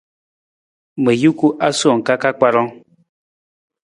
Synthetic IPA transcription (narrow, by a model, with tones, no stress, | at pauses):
me˨ju˦ku˦ʔa˦sɔ˨ŋ̩˨ka˦ka˦k͡pa˦ɾɔ˦ŋ